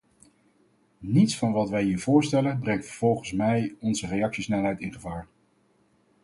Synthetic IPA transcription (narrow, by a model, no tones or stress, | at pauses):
nitsfɑnʋɑtʋɛjɦiːɹv̥ʊːɹstɛlənbrɛŋtfəɹv̥ɔlˠχənsmɛjɔnzərejɑksisnɛlˠɦɛjtɪnχəvaːɹ